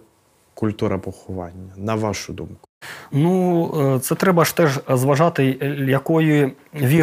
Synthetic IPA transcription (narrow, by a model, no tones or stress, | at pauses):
kʊlʲt̪uɾɐpɔxʊʋɑ̰nʲːɐnɐʋaʃʊd̪umkʊnut̪sɛt̪ɾɛbɐʃt̪ɛʒzʋɐʒɑt̪ɪjɐkɔjʊʋʲi